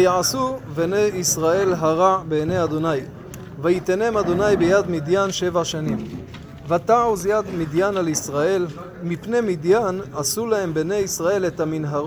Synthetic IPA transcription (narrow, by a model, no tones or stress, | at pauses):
vjaasubeneisʁae̞lɦaʁabeːnejad̪o̞naj | vajit̪enemad̪o̞najbejad̪mid̪janʃe̞vaʃanim | vat̪auzjad̪mid̪janalisʁae̞l | mipne̞mid̪janasulahembene̞jisʁae̞letaminɦaʁ